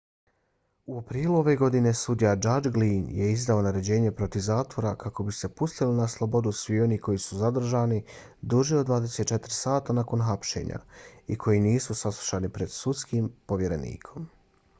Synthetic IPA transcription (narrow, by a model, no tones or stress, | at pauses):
uopɾiːlˠuo̞ʋe̞ɡo̞d̪ine̞sud̪ijad͡ʒad͡ʒɡliːnje̞izd̪ao̞naɾe̞d͡ʑe̞ːɲe̞pɾo̞t̪iʋzaːt̪ʋo̞ɾakako̞bise̞pust̪ilinaslˠo̞bo̞d̪usʋio̞niːko̞jisuzad̪r̩ʒaːni | d̪uʒiod̪ʋaːd̪e̞se̞t̪̚t͡ʃe̞t̪ɾsaːt̪anako̞nɦapʃe̞̰ɲa̰ikʰo̞jiniːsusaslˠu̥ʃaːnipɾe̞d̪̥sut̪skimpo̞ʋje̞ɾe̞nḭːkʰo̞m